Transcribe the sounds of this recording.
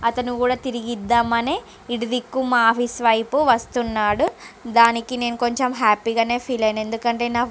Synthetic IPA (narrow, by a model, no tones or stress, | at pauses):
ɐt̪ɐnukuːɽaːt̪iɾiɡid̪ːaːmɐne̞ː | iɽid̪ikːumaːpʰisʋɐjpuʋɐst̪unːaːɽud̪aːnikine̞ːnuko̞ɲt͡ʃemɦaːpiɡaːne̞ːpʰiːlɐjne̞nd̪ukɐɳʈe̞ːnaː